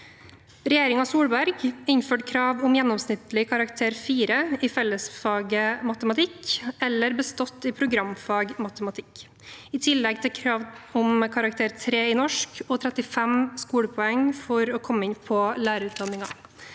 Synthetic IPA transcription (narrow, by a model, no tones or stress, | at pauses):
ɾɛjeːɾɪŋɑsuːɽbæɾɡɪnføːʈkʰɾɑːʋʊmjɛnːɔmsnɪt̪lɪkʰɑɾɑkt̪ʰeːɾfiːɾəɪfɛlːəsfɑːɡəmɑt̪əmɑt̪ʰɪkɛlːəɾbəst̪ɔt̪ːɪpʰɾʊɡɾɑmfɑːɡmɑt̪əmɑt̪ʰɪk | ɪt̪ʰɪlːɛɡ̚t̪ʰɪkʰɾɑːʋʊmkʰɑɾɑk̚t̪ʰeːɾt̪ʰɾeːɪnɔʂkɔt̪ʰɾɛt̪ɪfɛmskuːɽəpʰɔɛŋfɔɾɔːkʰɔmːəɪnpʰɔlæːɾəʉːt̪̚d̪ɑnɪŋɑ̰